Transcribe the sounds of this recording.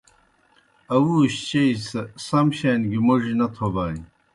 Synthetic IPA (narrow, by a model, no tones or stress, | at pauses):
ɐwuːɕt͡ɕeisɐsɐmɕeːnɡimuʐinɐt̪ʰobaːi